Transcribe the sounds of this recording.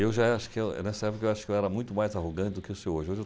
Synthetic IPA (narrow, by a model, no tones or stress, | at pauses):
ewʒaaʃʊ̥kɪewɛ̰nɛsɐɛpokɐewaʃʊ̥kɪewɛɾɐmũj̃t̪ʊmajzaɦoɡɐ̃t͡ʃɪd̪ʊkɪewseoʒɪoʒɪe